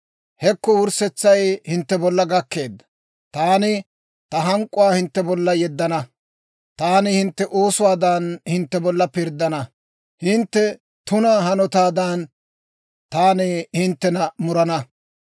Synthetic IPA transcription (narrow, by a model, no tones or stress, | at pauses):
hɛkːɔwʊɾsɛt͡sːɐjhɪnt̪ːɛbɔlːɐɡɐkːe̞ːd̪ːɐ̥ | t̪aːnɪ | t̪ɐɦɐŋkʼːʊwaːhɪnt̪ːɛbɔlːɐjɛd̪ːɐnɐ | t̪aːnɪhɪnt̪ːɛʔo̞ːsʊwaːd̪aːnhɪnt̪ːɛbɔlːɐpɪɾd̪ːɐnɐ | hɪnt̪ːɛ | t̪ʊnɐhɐnɔt̪aːd̪ɐn | t̪aːnehɪnt̪ːɛnɐmʊɾɐnɐ